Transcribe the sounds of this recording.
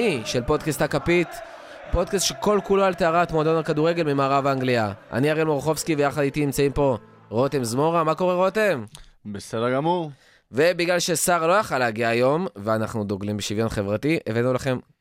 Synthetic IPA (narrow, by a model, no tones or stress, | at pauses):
iʃe̞lpo̞d̪kast̪hakapit̪ | po̞d̪kast̪ʃeko̞lkuloalt̪eaʁat̪mod̪onakaduʁe̞ɡe̞lmimaaːʁavaŋɡliaʔa̰niaʁelmoʁχo̞fskivejaχadit̪inimt͡saimpo̞ | ʁot̪e̞mzmo̞ʁamako̞ʁeʁo̞te̞mbesedəɡamuʁ | ve̞biɡlalʃe̞saʁlo̞jaχaleːɡiaːjo̞mveanaχnud̪oɡlimbeʃivjo̞nχevʁatiʔevenulaχe̞m